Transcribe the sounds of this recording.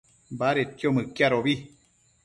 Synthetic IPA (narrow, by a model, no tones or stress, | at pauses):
mbaɾet̪jomɨ̃kjaɾoβi